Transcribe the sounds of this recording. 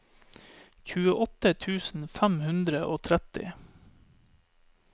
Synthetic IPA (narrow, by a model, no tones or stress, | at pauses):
çʉːəʔɔt̪ət̪ʰʉːsn̩fæmhʉnd̪ɾəʔoːt̪ʰɾæt̪ɪ̰